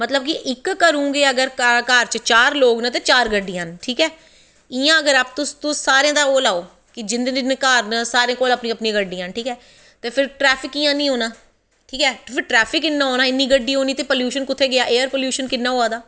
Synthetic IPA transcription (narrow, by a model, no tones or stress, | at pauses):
mət̪ləb̚kɪʔɪkːəɾũːɡeːəɡəɾkəːɾt͡ʃət͡ʃaːɾloːɡnət̪̬eːt͡ʃaːɾɡəɖːijãːnʈʰiːkɛː | ɪjãːəɡəɾaːp̚t̪ʊst̪ʊsaːɾeãːd̪aːoːlaːoː | kɪd͡ʒɪnd̪nɪnkaːɾnəsaːɾẽːkoːləpnĩːəpnĩɡəɖːiːãːnʈʰiːkɛː | t̪eːpʰɪɾʈɾɛːpʰɪkijãːnĩːɦoːnaː | ʈʰiːkɛːpʰɪɾʈɾɛːpʰɪkɪnːãːɦoːnaːɪnːiːɡəɖːiːɦoːniːt̪eːpoːljuːʃənkʊt̪ʰːeːɡɪjaːʔeːəɾpoːljuːʃənkɪnːãːɦoːaːd̪aː